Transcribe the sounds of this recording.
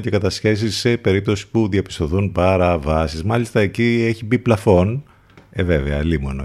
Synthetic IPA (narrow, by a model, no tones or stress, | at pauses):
ce̞kɐt̪ɐsçe̞s̬isːe̞pe̞ɾip̚t̪o̞si̥puðiɐpist̪o̞θunpɐɾɐvɐsizmɐlist̪ɐe̞cie̞çibiplɐfo̞n | eve̞veɐlimono